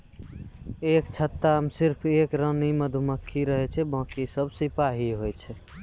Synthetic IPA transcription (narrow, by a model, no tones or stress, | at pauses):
ekt͡ʃʰət̪ːamsiɾpʰekɾəniməd̪ʱuməkʰːiɾəɦɛt͡ʃʰɛbə̃kisəbʱsipaɦiɦojt͡ʃʰɛ